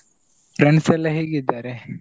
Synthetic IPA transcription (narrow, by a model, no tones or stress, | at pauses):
pɾeɳɖsɛlːɐɦeːɡid̪ːaːɾe